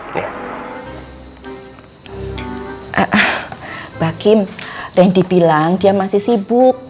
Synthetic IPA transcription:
ʔəʔəhb̥akɪmrɛndi̤bilaŋd̥iamasɪhsibʊk̚

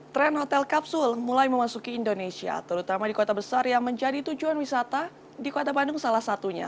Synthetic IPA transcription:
t̪ɾɛnɦot̪ɛlkap̚sʊlmulajməmasukiːndonesia̰t̪əɾut̪amadikot̪abəsarjaŋməɲd͡ʒadit̪ud͡ʒuanwisat̪a | dikot̪abandʊŋsalahsat̪uɲa̰

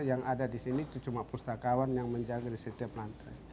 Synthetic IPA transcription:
jaŋadadisiniːt̪ut͡ʃumapust̪akawanjaŋməɲd͡ʒaɡadisət̪iaplant̪a

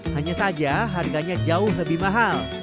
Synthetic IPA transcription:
haɲasad͡ʒaɦarɡaɲad͡ʒaʊhləbɪhmaɦal

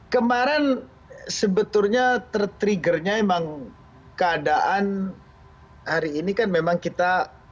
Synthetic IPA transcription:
kəmaɾan | səbət̪ʊrɲat̪ərt̪ɾiɡərɲaemaŋ | kəadaʔan | haɾiːnikanmemaŋkit̪a

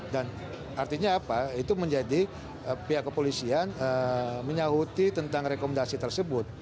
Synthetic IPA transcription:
dan | art̪iɲaːpait̪uməɲd͡ʒadi | əpiɦaʔkəpolisianəməɲaɦut̪it̪ənt̪aŋrekoməndasit̪ərsəbʊt̪̚

